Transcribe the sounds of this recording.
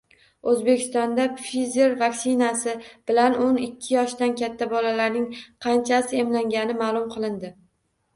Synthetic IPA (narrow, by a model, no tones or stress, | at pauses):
ɵzbekʲʰɪ̥st̪ɒnd̪afizeɾvaksɪnasɪb̥ɪlanonɪkʲʰːɪjɒʃd̪ankʲʰat̪ʰːabɒlalaɾnɪŋqʰɑnt͡ʃʰasɪe̞mlaŋɡʲanɪmaːlˠʊmqʰɨlˠɪnd̪ɪ